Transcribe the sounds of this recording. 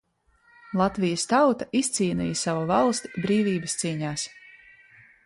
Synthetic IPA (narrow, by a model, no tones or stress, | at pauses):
lˠat̪vijəst̪awt̪aʔist̪siːnḭjsavuvalˠst̪ibɾiːvʲiːbəst̪siːɲaːs